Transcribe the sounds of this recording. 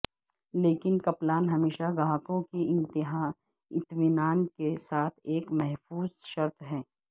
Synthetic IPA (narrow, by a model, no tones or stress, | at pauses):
leːkɪnkɐplaːnɦɐmeːʃaɡãːkõkiɪ̃nt̪ɪɦa | ɪt̪mɪnaːnkesaːt̪ʰeːkmɛɦfuːzʃɐɾt̪ɦɛː